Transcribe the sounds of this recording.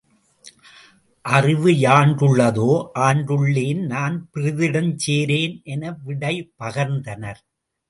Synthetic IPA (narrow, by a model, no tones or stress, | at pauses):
ʔɐrɪʋɯjaːɳɖɯɭːɐðoːʔaːɳɖɯɭːeːnnaːnpɪɾɪðɪɽɐmt͡ʃeːɾeːnʔɛnɐʋɪɽɐɪpːɐɣɐɾnd̪ɐnɐɾ